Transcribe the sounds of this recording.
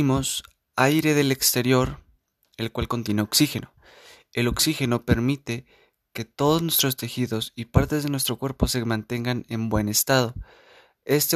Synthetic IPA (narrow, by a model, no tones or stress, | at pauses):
mo̞s | ajɾe̞ð̞e̞le̞kst̪e̞ɾjo̞ɾ | e̞lkwalko̞nt̪je̞ne̞oksixe̞no̞ | e̞lo̞ksixe̞no̞pe̞ɾmit̪e̞ | ke̞t̪o̞ðoznwe̞st̪ɾo̞st̪e̞xiðo̞sipaɾt̪e̞zðe̞nwe̞st̪ɾo̞kwe̞ɾpo̞se̞mãnt̪e̞ŋɡane̞mbwe̞ne̞st̪að̞o̞ | e̞st̪e